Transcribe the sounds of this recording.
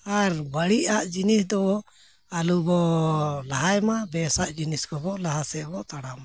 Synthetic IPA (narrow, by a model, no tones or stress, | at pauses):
aɾbaɽiʔaʔd͡ʒinisd̪ɔ | alubɔlaɦajmabɛsaʔd͡ʒiniskɔbɔlaɦasɛbɔʔt̪aɽama